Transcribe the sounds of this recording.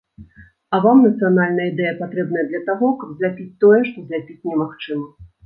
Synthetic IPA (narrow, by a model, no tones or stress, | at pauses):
ɐvamnɐt̪sɨjanalʲnɐjəid̪ɛjɐpat̪ɾɛb̚n̪ɐjɐd̪lʲɐt̪aɣɔkɐbzʲlʲapʲit͡sʲt̪ɔjɛʂt̪ɔzʲlʲapʲit͡sʲnʲɛmaxt͡ʂɨmɐ